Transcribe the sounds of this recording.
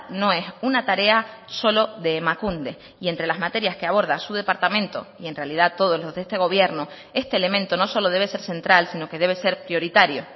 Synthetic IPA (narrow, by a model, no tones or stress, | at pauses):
nõ̞e̞sunat̪aɾe̞aso̞lo̞ðe̞makund̪e̞ | ie̞nt̪ɾe̞lazmat̪e̞ɾjaske̞aβ̞o̞ɾð̞asuð̞e̞paɾt̪amẽnt̪o̞̰ie̞nrealið̞at̪ːo̞ð̞o̞zlo̞zðest̪e̞ɣo̞β̞je̞ɾno | e̞st̪e̞ːle̞mẽ̞nt̪o̞no̞so̞lo̞ð̞e̞βe̞se̞ɾsẽ̞nt̪ɾalsino̞ke̞ðe̞β̞e̞se̞ɾpɾjo̞ɾit̪aɾjo̞